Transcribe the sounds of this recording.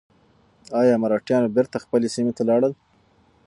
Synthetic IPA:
ɑjɑmaɾɑʈjɑnbɪɾt̪axpəlesimet̪alɑɽəl

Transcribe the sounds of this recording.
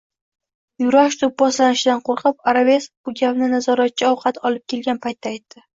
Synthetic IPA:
jʊɾaʃt̪ʰʊp̚bɒslanɪʃɪd̪anqʰoɾqʰɨpaɾabesb̥ʊɡʲapnɪnazɒɾat̪̚t͡ʃʰaɒwqʰɑt̪ʰɒlɪp̚kʲʰe̞lɡʲanpʰajt̪ːaːjt̪ʰːɪ

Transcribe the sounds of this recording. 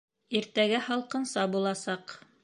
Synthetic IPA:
iɾt̪æɡæhɑlˠqɤ̆nsɑbulˠɑsɑq

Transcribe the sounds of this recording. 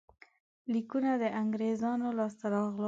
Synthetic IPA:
likunad̪əʔaŋɡɾezɑnolɑst̪aɾɑɣl

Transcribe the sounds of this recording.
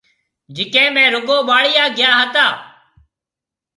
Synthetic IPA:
d͡ʒɪkẽːmẽːɾʊɠoːɓaːɽɪjaːɡɪjaːɦət̪aː

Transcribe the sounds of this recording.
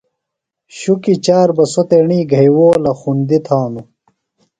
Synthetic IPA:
ɕukit͡ɕaːɾbɐsot̪eɳiːɡʱɐjwoːlɐxund̪it̪ʰaːnu

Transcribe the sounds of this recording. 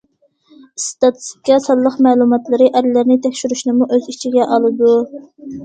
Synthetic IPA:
st̪ɑt̪ʰɨ̥st̪i̥kʲɑsɑlˠːəqmɛːlˠumɑt̪lˠɨɾɨʔæɾlɪɾnɪt̪ʰɛkʲʃyɾyʃnɨmuʔøzit͡ʃʰiɡʲɛʔɑlˠɨd̪u

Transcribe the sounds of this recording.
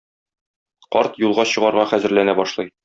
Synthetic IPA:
qɒɾt̪julˠʁɑɕɤ̆ʁɑɾʁɑχæzɘ̆ɾlænæbɒʃlˠɤj

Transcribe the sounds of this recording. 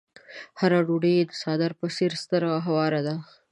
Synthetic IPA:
haɾaɖuɖed̪əsɑd̪aɾpəseɾst̪əɾaɦawɑɾad̪a

